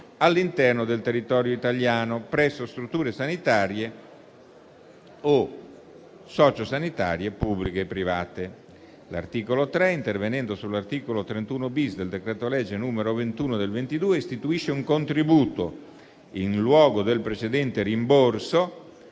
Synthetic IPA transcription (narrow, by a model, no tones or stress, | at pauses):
alːint̪ɛrnod̪elt̪erːit̪ɔːɾjoit̪aljaːnopɾɛsːost̪ɾut̪ːuːɾesanit̪aːɾje | o | sɔːt͡ʃosanit̪a̰ːɾjepubːlikeːpːɾivaːt̪e | la̰rt̪iːkolot̪ɾɛint̪ervenɛnd̪osulːart̪iːkolot̪ɾent̪uːnobisd̪eld̪ekɾɛt̪olɛd͡ʒːenuːmeɾovent̪uːnod̪elvent̪id̪uːeist̪it̪uiʃːeuŋkont̪ɾibuːt̪o | inlwɔːɡod̪elpɾet͡ʃed̪ɛnt̪eɾimborso